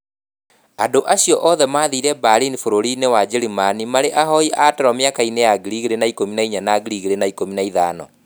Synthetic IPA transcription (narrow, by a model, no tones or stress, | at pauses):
andoʔaɕjɔʔɔːðɛmaðiːɾɛbaɾinifoɾoɾinewad͡ʑeɾimanimaɾeʔaɦɔiʔatɛɾɔmeakainejaɣiɾiɣeɾenaikominaiɲanaɣiɾiɣeɾenaikominaiðaːnɔ̰